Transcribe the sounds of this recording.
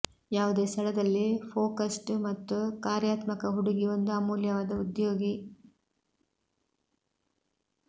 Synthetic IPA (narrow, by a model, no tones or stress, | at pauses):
jaːʋud̪e̞ːst̪ʰɐɭɐd̪ɐlːipʰoːkɐsʈmɐt̪ːukaːɾjaːt̪mɐkɐɦuɽuɡiond̪uaːmuːljɐʋaːd̪ɐud̪jo̞ːɡi